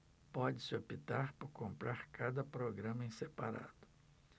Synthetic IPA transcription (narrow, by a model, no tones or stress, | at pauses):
pɔd͡ʒɪsɪopit̪aɾpʊɾkõmpɾaɾkad̪ɐpɾoɡɾɐ̃mɐẽsepaɾa̰d̪ʊ̥